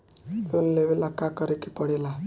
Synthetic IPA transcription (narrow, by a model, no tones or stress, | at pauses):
t̪unleʋelakakəɾekipəɽela